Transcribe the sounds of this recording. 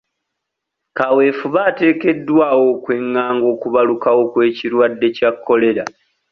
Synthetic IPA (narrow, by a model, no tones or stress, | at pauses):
kawe̞ːfuβaːte̞ːke̞dːwaːwo̞kwe̞ŋːaːŋɡo̞ːkuβalukawo̞kwe̞ːciɾwadːe̞cakʰːo̞le̞ɾa